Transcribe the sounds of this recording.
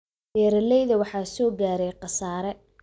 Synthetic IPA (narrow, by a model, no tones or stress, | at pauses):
bɛːɾɐlɛjðɐwɑħɑːsɔːɡaːɾɛjqɑsaːɾɛ